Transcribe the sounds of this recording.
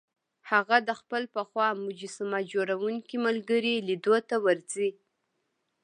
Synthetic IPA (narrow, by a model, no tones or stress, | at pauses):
haɣad̪əxpəlpəxwɑmʊd͡ʒɪsɪmɑd͡ʒoɾawuŋkimalɡəɾilid̪ot̪awaɾzi